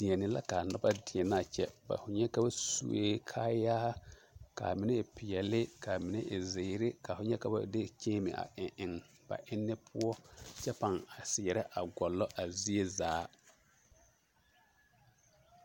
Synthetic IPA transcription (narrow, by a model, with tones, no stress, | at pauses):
d̥i˨ɛ˨nɪ˨la̰˦ka˨nɔ˦ba˦dɪ˨ɛ˨na˦˨t͡ʃɛ̰˦ba̰˨fʊ˨ɲɛ˦ka˦ba˦sṵ˨wḛː˦kʰaː˦jaː˦ka̰˨mɪ˨nɛ˦˨pɪ˨jɛ˨lɪ˦ka˨mɪ˨nɪ˦ʔɪ˨ze˨˦ɾɪ˦ka˨fʊ˨ɲɛ˦ka˨ba̰˦de˦t͡ʃeː˦mɪ̰˨ʔa̰˨ʔɪ˨ʔɪ˨ŋ | b̥a̰˨ʔɪ˦nːɪ˦pʰʊ˦ɔ˦t͡ʃɛ˦pa˨ŋa˨sɪ˨jɛ˨ɾɛ˦ʔa̰˨ɡɔ˨lːɔ˦ʔa˨zi˦e˦zaː˨˦